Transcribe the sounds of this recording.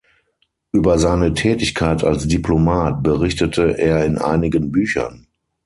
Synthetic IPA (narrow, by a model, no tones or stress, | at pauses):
ʔyːbɐzaɪnətʰɛːtɪçkʰaɪta̰lsd̥iplomaːt̚b̥əʁɪçtətʰəʔeːɐɪnʔa̰ɪnɪɡənbyːçɐ̰n